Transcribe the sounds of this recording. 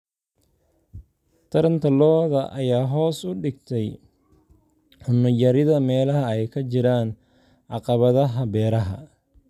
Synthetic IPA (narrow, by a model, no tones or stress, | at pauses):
t̪ʰɐɾɐnt̪ʰɐlɔːðɐʔɐjaːɦɔːsʊɖɪɡ̚t̪ʰɛj | ħʊnːʊjɐɾɪðɐmɛːlɐɦɐɛjkʰɐt͡ʃɪɾaːn | ʕɑqɑβɐðɐɦɐbɛːɾɐɦɐ̰